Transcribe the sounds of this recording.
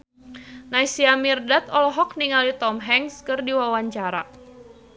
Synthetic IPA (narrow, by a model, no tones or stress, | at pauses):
naisiamirdat̪ɔlɔɦɔk̚niŋalit̪ɔmɦɛŋskɨrdiwawaɲt͡ʃaɾa̰